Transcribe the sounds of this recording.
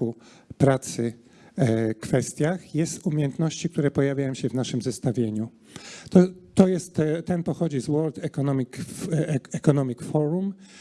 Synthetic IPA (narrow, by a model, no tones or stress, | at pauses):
u | pɾat̪sɘ | kfɛst̪ʲjaxjɛst̪umʲjejɛnt̪nɔɕt͡ɕik̚t̪uɾɛpɔjavʲjajɔ̃ɕɛvnaʂɘmzɛst̪avʲjeɲu | t̪ɔt̪ːɔjɛst̪t̪ɛnpɔxɔd͡ʑizwɔld̪ɛkɔnɔmʲik | ɛkɔnɔmʲikfɔɾum